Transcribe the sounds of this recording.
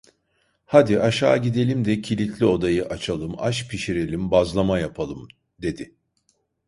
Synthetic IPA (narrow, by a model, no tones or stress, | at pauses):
had̪iʔaʃa̰ːɟid̪e̞lʲimd̪ɛcʰilʲit̪ʰlʲio̞d̪ajɯʔat͡ʃʰalˠɯma̰ʃpʰiʃiɾe̞lʲimbazlˠamajapʰalˠɯm | d̪e̞d̪ɪ